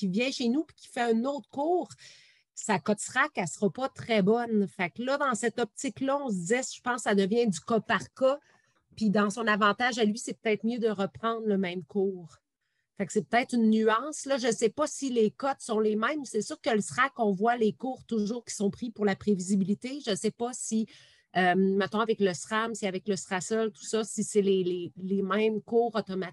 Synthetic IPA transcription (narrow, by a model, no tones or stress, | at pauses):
kʲivjɛ̃ʃenupi̥kʲi̥fɛœ̃nɔt̪χkuːʁ | sakɔt̪sʁakɛlsəʁɑpɔt̪χɛbɔnfaklʌd̪ɑ̃sɛt̪ɔp̚t̪ɪklʌɔ̃s̬d͡z̪isʒ̥ə̥pɑ̃sːad̪əvjɛ̃d̪ykɔpaʁkɔ | pid̪ɑ̃sɔ̃navɑ̃t̪aʒalɥisɛpø̥t̪ɛːt̪χmjød̪əʁəpχɑ̃ːd̪ʁləmɛ̃mkʰuːʁ | faksɛpə̥t̪ɛːt̪χynːyɑ̃slʌʒəsɛpʌsilekɔt̪sɔ̃lemɛ̃msɛsyːʁkələsχakɔ̃vwalekuːʁt̪ʊʒuːʁkʲi̥sɔ̃pχipʊʁlapχevizibilit̪eʒəsɛpʌsi | ømmɛ̃t̪ɔ̃avɛkləsχamsiavɛkləsχasœlt̪u̥sʌsisɛlelelemɛ̃mkuːʁɔt̪ɔma